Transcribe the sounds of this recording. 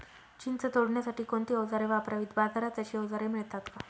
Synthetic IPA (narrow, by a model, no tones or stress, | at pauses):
t͡ɕint͡sət̪oɽɳjasaʈiːkoɳt̪iɔd͡zaɾeʋapɾaʋiːt̪bad̪ʱaɾat͡saɕiːɔd͡zaɾemiɭt̪at̪ka